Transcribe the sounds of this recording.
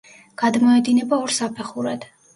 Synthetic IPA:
ɡ̥ad̪mɔɛd̪inɛbaɔɾsapʰɛχuɾad̪̥

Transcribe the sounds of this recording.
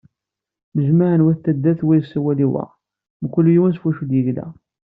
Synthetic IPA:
məzmaʕənwæθt̪ːæd̪ːæθwijsːæwæliwæ̰ | mkʷːəlːjiwænsfuʃud̪jəʝlæ̰

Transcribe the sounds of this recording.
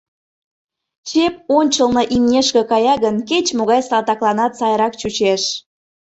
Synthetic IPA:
t͡ɕep̚onʲt͡ɕəlˠnɤʔimnʲeʃkə̆kɑjɑɣənket͡ɕmoɣɑjsɑlt̪ɑklˠɑnɑt̪sɑjɾɑkt͡ɕut͡ɕeʃ

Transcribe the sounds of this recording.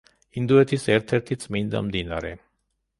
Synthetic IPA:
ind̪uɛt̪ʰisɛɾt̪ʰɛɾt̪ʰit̪sʼmind̪a̰md̪inaɾɛ

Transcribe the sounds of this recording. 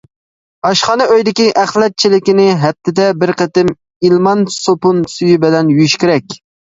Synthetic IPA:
ɑʃχɑnɨʔøjd̪ɪkʲiʔæχlˠɛt̪̚t͡ʃʰilɪkʲɪnɪɦɛp̚t̪ʰːɪd̪ɛbɪɾqʰət̪ɪm | ilˠmɑnsopunsyjybɪlɛnjyjyʃkʲɪɾɛkʲ

